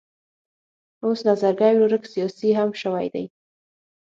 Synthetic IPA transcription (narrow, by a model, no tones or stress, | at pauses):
osnazaɾɡajloɾəksijɑsiɦamʃəwa̰jd̪a̰j